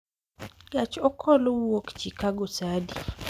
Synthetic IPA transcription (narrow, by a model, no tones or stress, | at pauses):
jat͡ʃɔkʰɔlowokt͡ʃikaɡosadi